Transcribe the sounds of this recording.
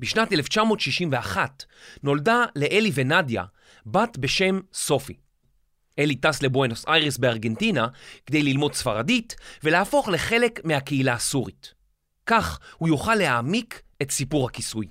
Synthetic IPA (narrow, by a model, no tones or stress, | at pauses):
biʃnateleft͡ʃamo̞tʃiʃimve̞aχat | no̞ldale̞ʔelive̞nadja̰ | batbe̞ʃe̞mso̞fi | ʔe̞litasle̞bwenosajʁesbeaʁɡe̞ntinakd̪e̞jlilmo̞dsfaʁaditveleafo̞χle̞χe̞le̞kmeakeilaːsuʁit | kaχhujuχalːeaːmik | etsipuʁhakisuj